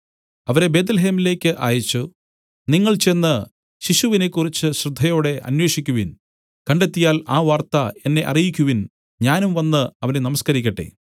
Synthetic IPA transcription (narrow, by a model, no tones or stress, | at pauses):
ɐʋɐɾe̞be̞ːt̪̬lɐɦe̞ːmile̞ːkʲːɨʔa̰ːjit͡ɕːu | niŋːɐɭt͡ɕe̞nːɨ | ɕiɕuʋine̞kːurit͡ɕːɨɕrɨd̪ʱːɐjo̞ːɽe̞ʔɐ̰nwe̞ːɕikʲːuʋin | kɐɳɖe̞t̪ːijaːlaːʋaːrt̪ɐe̞nːe̞ʔɐ̰rijikʲːuʋin | ɲaːnumʋɐnːɨɐʋɐnenɐmɐskɐɾikʲːɐʈːḛ